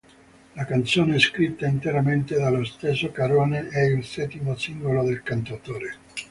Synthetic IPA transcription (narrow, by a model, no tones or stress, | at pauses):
lakant̪soːneskɾit̪ːaint̪eɾament̪ed̪alːost̪esːokaɾoːneʔɛilsɛt̪imosiŋɡolod̪elkant̪at̪oːɾe